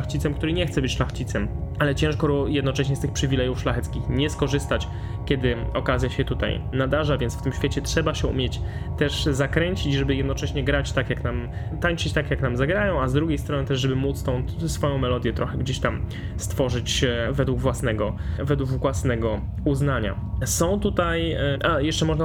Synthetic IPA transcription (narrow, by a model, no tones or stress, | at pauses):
axt͡ɕit̪sɛmkt̪uɾɘɲɛxt̪sɛbɘt͡ɕʂlaxt͡ɕit̪sɛmalɛt͡ɕɛ̃ʂkɔɾjɛd̪nɔt͡ʂɛɕɲɛst̪ɘxpʂɘvʲilɛjufʂlaxɛt̪skʲixɲɛskɔʐɘst̪at͡ɕ | kʲɛd̪ɘɔkazʲjaɕɛt̪ut̪a̰jnad̪aʐavʲjɛnsft̪ɘmɕfʲet͡ɕɛtʂɛbaɕɛṵmʲjɛt͡ɕt̪ɛʂzakɾɛɲt͡ɕit͡ɕʐɛbɘjɛd̪nɔt͡ʂɛɕɲɛɡɾat͡ɕt̪akjaknam | t̪aɲt͡ʂɘt͡ɕt̪akjaknamzaɡɾajɔ̃w̃azd̪ɾuɡʲejst̪ɾɔnɘt̪ɛʐʐɛbɘmut̪st̪ɔ̃w̃ | sfɔjɔ̃w̃mɛlɔd̪ʲjɛt̪ɾʔɔxɛɡd͡ʑeɕt̪am | st̪fɔʐɘt͡ɕvɛd̪wuɡvwasnɛɡɔvɛd̪wuɡvwasnɛɡɔ | uznaɲa̰ | sɔ̃w̃t̪ut̪ajʔajɛʂt͡ʂɛmɔʐna